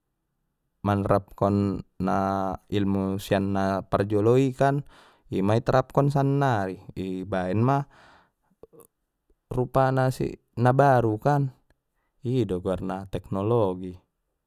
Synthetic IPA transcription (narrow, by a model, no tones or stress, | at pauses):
manrap̚kɔnːailmusianːapard͡ʒɔlɔikan | imait̪ɾʔap̚kɔnsanːaɾiibaɛnma | rupanasḭ | nabaɾukan | idɔɡuarnat̪ɛk̚nɔlɔɡi